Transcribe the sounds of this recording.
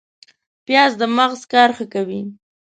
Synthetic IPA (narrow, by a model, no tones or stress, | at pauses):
pjɑzd̪əmaɣzkɑɾxəkawi